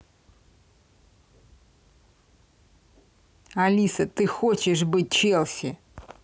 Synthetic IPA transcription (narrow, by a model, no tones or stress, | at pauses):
ɐlʲisət̪ɨxot͡ɕɪʂbɨt̚ʲt͡ɕelˠsʲɪ